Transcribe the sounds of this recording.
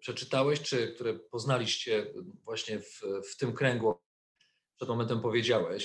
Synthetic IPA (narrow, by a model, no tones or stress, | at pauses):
pʂɛt͡ʂɘt̪awɛɕt͡ʂɘk̚t̪uɾɛpɔznalʲiɕt͡ɕɛvwaɕɲɛfft̪ɘmkɾɛŋɡu | pʂɛd̪mɔmɛnt̪ɛmpɔvʲjed͡ʑawɛɕ